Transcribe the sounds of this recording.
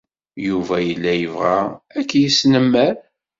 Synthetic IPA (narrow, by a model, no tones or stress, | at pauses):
juvæjəlːæjəvʁaækːjisnəmːəɾ